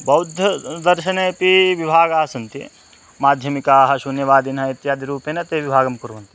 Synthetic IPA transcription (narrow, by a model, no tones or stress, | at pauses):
bɐwd̪ʱjɐd̪ɐɾʃɐneːpiʋibʱaːɡaːsɐnt̪ḭ | maːd̪ʱjɐmikaːɦɐʃunjɐʋaːd̪inɦɐit̪jaːd̪iɾuːpeːnɐt̪eːʋibʱaːɡɐmkuɾɐʋɐnt̪i